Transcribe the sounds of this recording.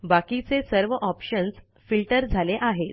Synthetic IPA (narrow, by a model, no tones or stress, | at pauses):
bakit͡sesəɾʋəʔɔpɕəns | filʈəɾd͡zʱaleʔaɦet̪